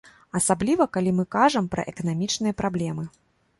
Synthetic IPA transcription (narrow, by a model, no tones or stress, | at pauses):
ɐsablʲivɐkalʲimɨkaʐɐmpɾɐ̰ʔɛkɐnamʲit͡ʂnɨjɐpɾablʲɛmɨ